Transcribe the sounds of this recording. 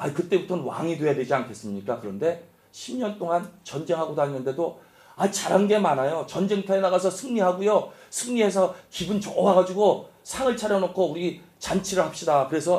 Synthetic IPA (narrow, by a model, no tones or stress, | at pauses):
aikɯt͈e̞butʰʌnɯnwa̰ŋidwe̞jadwed͡ʑiankʰe̞s͈ɯmɲik͈akɯɾʌnde̞ | ɕʰimɲʌnt͈oŋant͡ɕʌnd͡ʑe̞ŋɦaɡodainːɯnde̞do | ait͡ɕaɾɦanɡe̞manajot͡ɕʌnd͡ʑe̞ŋtʰaenaɣas̬ʰʌsʰɯŋɲiɦaɡujosʰɯŋɲiɦe̞s̬ʰʌkibɯnt͡ɕʌwaɡad͡ʑiɡosʰaŋɯɭt͡ɕʰaɾjʌnokʰouɾit͡ɕant͡ɕʰiɾɯɭhap̚ɕ͈idakɯɾe̞sʰʌ